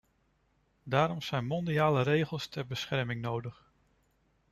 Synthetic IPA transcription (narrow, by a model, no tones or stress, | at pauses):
daːɾɔmz̥ɛjnmɔndiaːləɾejχəlˠstʰɛrbəsχɛɹmɪŋnowdəχ